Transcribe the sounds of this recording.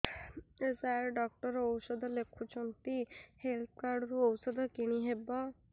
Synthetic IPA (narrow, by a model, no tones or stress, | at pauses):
esaɾɖɔk̚ʈɔɾɔwsɔd̪ʱɔlekʰut͡ʃʰɔnt̪ihelt̪̚ʰkaɾɖɾuɔwsɔd̪ʱɔkiɽ̃iɦebɔ